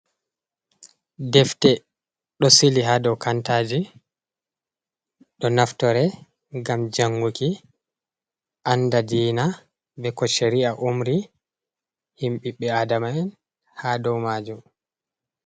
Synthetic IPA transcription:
dɛftɛ | ɗɔsiliɦaːdɔwkʰantaːd͡ʒi | ɗɔnaftɔɾɛ | ɡamd͡ʒaŋɡuki | ʔandadiːna | bɛkɔʃeɾiaʔumɾi | himɓiɓɛaːdamaɛn | hadɔwmaːd͡ʒum

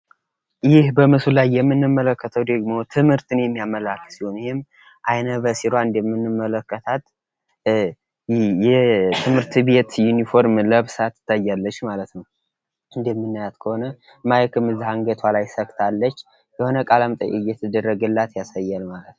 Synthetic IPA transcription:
jɪhbəmɨsulajːɛmːɨnːɨmːələkːət̪ʰəwd̪əɡmo̞t̪ʰɨmhɨɾt̪ʰɨnjɛmːijamːəlakːɨ̥sihonjɪhem | ʔajnəβəsiɾwaɨnd̪əmːɨnːɨmːələkːət̪ʰat̪ | jɛt̪ʰɨmhɨɾt̪be̞t̪junifo̞ɾmləβsat̪ːɨ̥t̪ʰːajːalːət͡ʃːmalət̪nəw | ɨnd̪əɛmːɨnːɨjat̪kʰəho̞nə | majəkɨmɨzːihaŋɡət̪ʰwalajsəkt̪ʰalːət͡ʃː | jəho̞nəkʼalamt̪ʼə̰jḭjɛt̪ʰəd̪ərːəɡɨlːat̪jasajːalmalət̪nw

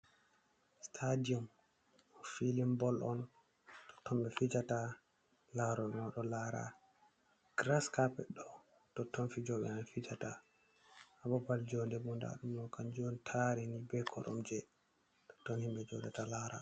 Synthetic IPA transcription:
stʰadiɔm | filimbɔlʔɔn | tɔ̥tʰːɔmbɛfid͡ʒata | laɾɔnɔɗɔlaɾa̰ | ɡ̥ɾaskapɛɗɔ | tɔtːɔnfid͡ʒɔɓɛ̰nanfid͡ʒata | abɔbald͡ʒɔndɛbunda̰ɗumːɔkand͡ʒɔntʰaɾinibɛkʰɔɗɔ̰md͡ʒɛ | tɔ̥tːɔnhimbɛd͡ʒɔdatalaɾa̰

